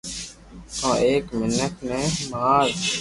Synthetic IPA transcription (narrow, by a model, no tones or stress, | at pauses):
t̪ãːʔeːkmɪnəkʰnɛ̃ːmaːɾ